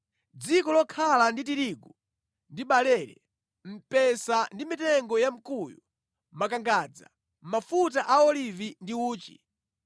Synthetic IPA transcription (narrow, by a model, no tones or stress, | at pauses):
d͡zikɔlɔkʰalandit̬iɾiɡu | ndiɓalɛɾɛ | m̩pɛsandimitɛŋɡɔjam̩kuːjṵ | makaŋɡad͡za̰ | mafut̬aʔaɔlivindiuːt͡ʃḭ